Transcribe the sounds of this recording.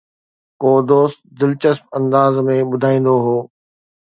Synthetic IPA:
koːd̪oːst̪̚d̪ɪlt͡ɕəsp̚ɐ̃nd̪aːzmẽɓʊd̪ʱaːĩːn̆d̪oɦoː

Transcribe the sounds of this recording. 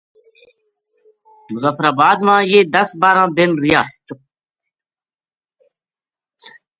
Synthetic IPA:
mʊzaːfɾaːbaːd̪mãːjeːd̪ɐsbaːɾãːd̪ɪnɾɪjaː

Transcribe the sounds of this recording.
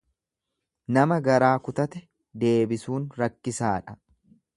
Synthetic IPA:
nɐmɐɡɐɾaːkʊt̪ɐt̪ɛ | d̪e̞ːbɪsuːnɾɐkːɪsaːᶑɐ̥

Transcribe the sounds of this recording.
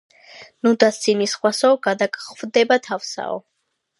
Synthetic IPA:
nud̪asinisχwasɔɔɡad̪akʼχvd̪ɛbat̪ʰafsa̰ɔ̰

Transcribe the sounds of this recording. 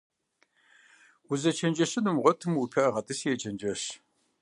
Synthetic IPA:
wuzɐt͡ʃʰɐnd͡ʒɐɕɨnɨmʁʷɔtʰɨmwupʰɐɐʁɐtʼɨsjɛt͡ʃʰʼɐnd͡ʒɐɕ

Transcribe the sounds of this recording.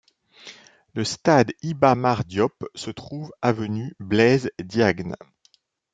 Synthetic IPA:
ləst̪ad̪ibamaʁd̪jɔpsət̪χuvavənyblɛzd̪jaɡn

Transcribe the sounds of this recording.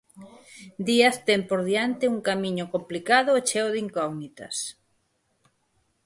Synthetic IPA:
d̪iɐst̪ɛmpoɾðiant̪ɪuŋkamĩɲokomplikaðʊet͡ʃɛoðiŋkɔɣnit̪ɐ̰s

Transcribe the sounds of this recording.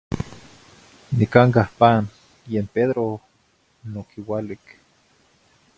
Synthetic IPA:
nikaŋkahpan | jeːmpeðɾo | nokiwalik

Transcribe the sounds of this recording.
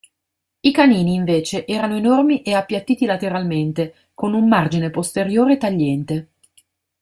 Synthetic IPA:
ikaniːniːɱveːt͡ʃeʔɛːɾanoenormiʔeapːjat̪ːiːt̪ilat̪eɾalment̪e | konumːard͡ʒinepost̪eɾjoːɾet̪aʎːɛnt̪e

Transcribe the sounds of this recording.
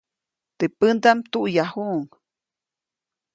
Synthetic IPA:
t̪epənd̪amt̪uʔjahuʔŋ

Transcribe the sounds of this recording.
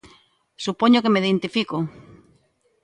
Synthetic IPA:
supoɲokemeðent̪ifiko

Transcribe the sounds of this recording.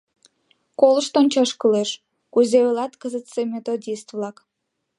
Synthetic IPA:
koləʃt̪onʲt͡ɕɑʃkəleʃ | kuzeβlɑt̪kəzət̪semʲet̪od̪ʲist̪vlɑk

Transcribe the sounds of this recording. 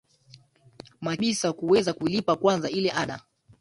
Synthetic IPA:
maʄisakuwɛzakulipakwanzailɛʔaɗa̰

